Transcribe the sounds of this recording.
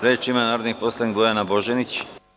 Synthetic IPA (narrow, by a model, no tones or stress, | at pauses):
ɾeːt͡ʃimanaːɾod̪nixposlˠanikɡojanaboʒenit͡ɕ